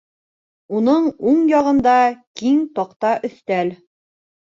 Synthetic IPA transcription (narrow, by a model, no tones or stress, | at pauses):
unɤɴuɴjɑʁɤ̆nd̪ɑkiŋt̪ɑqt̪ɑʔɵ̆θt̪æl